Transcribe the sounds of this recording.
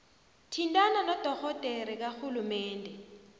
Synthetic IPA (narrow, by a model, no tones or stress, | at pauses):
tʰintʼananɔd̥ʱɔxɔd̥ʱʼeɾik̬axulumɛːndʱɛ